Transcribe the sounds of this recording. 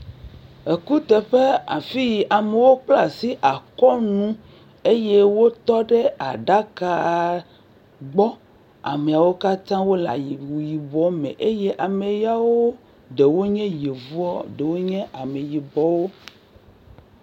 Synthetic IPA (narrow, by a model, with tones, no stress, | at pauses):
e˨ku˦t̪ɛ˨ɸe˦a̰˨fi˦ji˨ʔa˨me˨wo˦k͡pla˨si˦ʔa˨kɔ˦nũ˦ | e˦je˦wo˦t̪ɔ˦ɖe˦a̰˨ɖa˦ka˨ | ɡ͡bɔ˦ | a̰˨me˨a˨wo˦ka˦t̪ã˦wo˦la̰˨ji˨wu˨ji˨bɔ˨mḛ̃˨ʔe˦je˦ʔa˨me˨ja˦wo˦ | ɖe˨wo˦ɲɛ̃˦je˨vu˦ɔ˦ɖe˨wo˦ɲɛ̃˦ʔa˨me˨ji˨bɔ˨wo˦